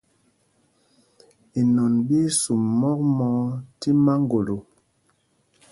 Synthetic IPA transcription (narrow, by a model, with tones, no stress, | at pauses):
i˨nɔ˨nbi˦su˨mːɔ˦k̚mɔ˨˦ti˦ma˦ŋɡo˨lo˨